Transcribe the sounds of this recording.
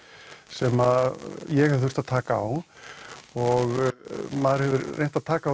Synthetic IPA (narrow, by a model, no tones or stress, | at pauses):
sɛmaðjɛɣhɛvθʏr̥t̪aðt̪ʰaːkaa̰w | ɔɣmaðɾhɛvʏɾrːejnt̪aðt̪ʰaːkaw